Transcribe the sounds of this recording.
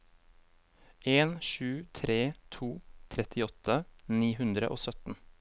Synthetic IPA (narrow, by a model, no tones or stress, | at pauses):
ʔeːnʃʉːt̪ʰɾeːt̪ʰuːt̪ʰɾɛt̪ʰɪɔt̪ʰəniːhʉnd̪ɾə̰ʔo̰ːsœt̪n̩